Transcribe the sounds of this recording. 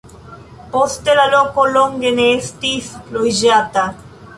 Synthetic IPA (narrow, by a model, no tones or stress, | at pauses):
post̪elalokoloŋɡeneːst̪iθlojʒat̪a